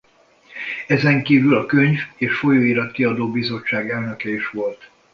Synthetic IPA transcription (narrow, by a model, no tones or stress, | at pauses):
ɛzɛŋkiːvylɒkø̞ɲveːʃfo̞joːiɾɒt̪kiɒd̪oːbizo̞t͡ʃːaːɡɛlnø̞kɛiʃʋo̞lt̪